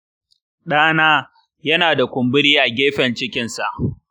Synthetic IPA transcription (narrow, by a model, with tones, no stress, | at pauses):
ɗaː˦naː˦ | jɐ˦naː˨da˨kʷʊ˨mbɪ˦ɽiː˦ʔa˨ɡʲeː˦ɸɛ˨nt͡ʃɪ˦kʲɪ˨nsa˨ʔ